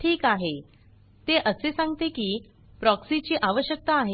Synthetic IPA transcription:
ʈʰiːkaɦe | t̪eʔəsesãŋɡt̪ekiː | pɾɔksit͡ɕiːʔaʋəɕjək̚t̪aːɦe

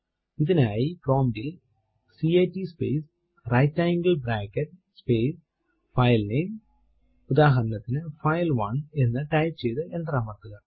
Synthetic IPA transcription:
iðinaːjiproːmɖil | sieːʈːispeːs | rɐjtːajiŋɡɐlbɾaːkːɐʈspeːs | fɐjlnejm | ud̪aːɦɐɾɐnɐt̪ːinɨfɐjlʋɐnenːɨʈɐjt͡ɕejðɨʔend̪raːmɐrt̪ːuɣɐ

